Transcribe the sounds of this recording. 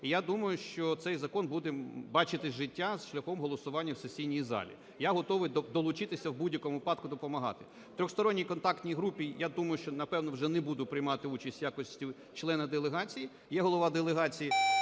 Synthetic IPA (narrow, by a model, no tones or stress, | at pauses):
ijad̪umɐjʊʃt͡ʃɔt̪sɛjzɐkɔnbud̪ɛbɑt͡ʃɪt̪ɪʒɪtʲːazʃlʲɐxɔmɦɔlˠɔsʊʋɑnʲːɐwsesʲijnʲijizɑ̰lʲḭ | jaɦɔt̪ɔʋɪjd̪ɔlˠʊt͡ʃɪt̪ɪsʲɐwbudʲjɐkɔmʊʋɪpɑd̪kʊd̪ɔpɔmɐɦɑ̰t̪ɪ̥ | t̪ɾʲɔxst̪ɔɾɔnʲːijkɔnt̪ɑkt̪nʲijɦɾupʲijad̪umɐjʊʃt͡ʃɔnɐpɛwnɔwʒɛnɛbud̪ʊpɾɪjmɑt̪ɪut͡ʃɐsʲtʲjakɔsʲtʲiʊ | t͡ʃlˠɛnɐd̪elˠeɦɑt͡sʲiji | jɛɦɔlˠɔʋɑd̪elˠeɦɑt͡sʲiji